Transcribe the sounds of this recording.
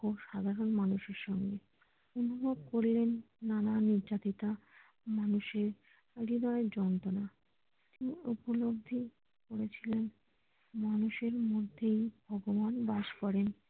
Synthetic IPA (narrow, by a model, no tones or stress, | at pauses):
oʃad̪ʱaɾonmanuʃeɾʃɔŋɡe | unubʱob̚koɾlenː | ananiɾd͡ʑat̪it̪a | manuʃeɾ | ɾid̪ɔed͡ʑɔnt̪ona | t̪iniupolob̚d̪ʱi | koɾet͡ɕʰilen | manuʃeɾmod̪ʱːejbʱɔɡobanbaʃkɔɾen